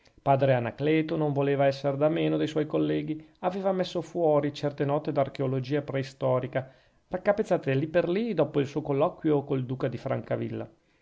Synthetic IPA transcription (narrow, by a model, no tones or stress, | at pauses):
paːd̪ɾeanaklɛːt̪onoɱvoleːvaɛsːeɾd̪ameːnod̪ejswɔjkolːɛːɡiaveːvamesːofwɔːɾit͡ʃɛrt̪enɔːt̪ed̪ark̟eolod͡ʒiːapɾɛist̪ɔːɾika | rakːapːet̪sːaːt̪elipːerlid̪ɔːpoilsuːokolːɔkwjokold̪uːkad̪ifɾa̰ŋkavḭlːa̰